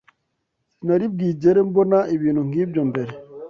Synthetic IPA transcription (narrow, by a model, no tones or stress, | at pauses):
sinaɾib̚ɡid͡ʒeɾem̩bonaibinoŋɡib̚d͡ʒɔmbɛɾe